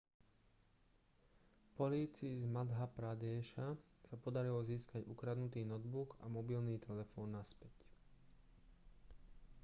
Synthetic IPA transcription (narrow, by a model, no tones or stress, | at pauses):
pɔliːt͡siːzmad̪ɦapɾad̪ɛːʃasapɔd̪aɾilɔziːskaɟṵkɾad̪nut̪iːnɔd̪buɡa̰mɔbilniːt̪ʰɛlɛfɔːnːaspɛc